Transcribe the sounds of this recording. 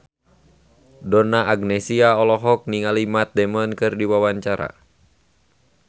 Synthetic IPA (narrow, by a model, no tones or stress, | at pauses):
dɔnaʔaɡnɛsiaɔlɔɦɔk̚niŋalimat̪̚dɛmɔnkɨrdiwawaɲt͡ʃaɾa̰